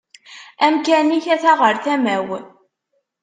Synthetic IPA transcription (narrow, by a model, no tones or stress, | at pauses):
æmkæniçæθaʁəɾθæmæw